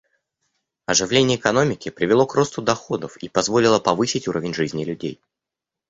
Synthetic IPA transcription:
ɐʐɨvlʲenʲɪjəːɪkɐno̞mʲɪkʲɪpɾʲɪvʲɪlˠo̞kro̞st̪ʊd̪ɐxo̞d̪əfipɐzvo̞lʲɪlˠəpɐvɨsʲɪtʲuɾəvʲɪnʲʐɨzʲnʲɪlʲʉdʲḛj

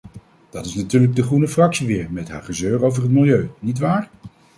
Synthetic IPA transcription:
d̥ɑtɪsnatyːɹləɡ̚dəχunəfrɑksiʋɪːɹmɛtɦa̰ːɹχəzøːrowvərɦətmɪlˠjøɥnit̬ʋaːɹ

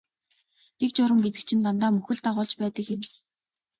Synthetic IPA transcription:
t̪ek̚t͡ɕʊɾə̆mɡet̪̬ɘ̆k̚t͡ɕʰɪ̆nt̪ant̪aːmɵxɘ̆ɮt̪aʁʊːɮt͡ɕpæːt̪ə̆kxen

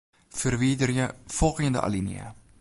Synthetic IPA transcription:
fərvidərjəfɔlˠχiəndə̰ʔa̰linḭə̰

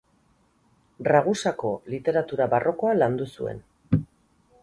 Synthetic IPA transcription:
raɣ̞usako̞lit̪e̞ɾat̪uɾaβarʔo̞ko̞aland̪usue̞̰n

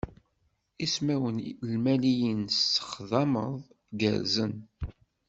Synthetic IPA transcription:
ismæwənlmælijənsə̥χðɑməðˤ | ɡə̰ɾzən

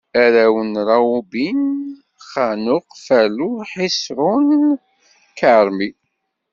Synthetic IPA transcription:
æɾæwənɾˤɑubin | χanʊqfæluħisɾˤʊn | kaɾˤmi

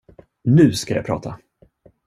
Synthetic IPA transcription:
nʉ̟ːskaja̰pɾɑ̰ːt̪ʰa

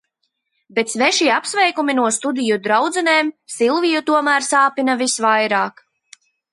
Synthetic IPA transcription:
bɛt̪svɛʃiapsvɛjkuminuɔst̪ud̪ijud̪ɾawd̪zɛneːmsilˠvijut̪uɔmæːɾsaːpinavisvajɾaːk

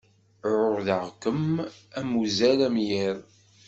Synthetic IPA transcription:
ɾʊʁðəʁkəmæmuzælæmjiɾ

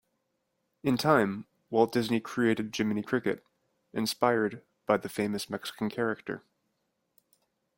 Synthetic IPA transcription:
ɨ̃ntʰãɪ̃m | wɛɪlˠd̥ɪznikʰɹ̥ieɪɾɨd̚d͡ʒɪ̃mɨnikʰɹ̥ɪkɨ̰ɾ | ɨ̰̃nspaɪə˞d̚ | b̥aɪðɨfẽɪ̃mɨsmɛksə̥kn̩kʰɛɹɨk̚tə̰˞

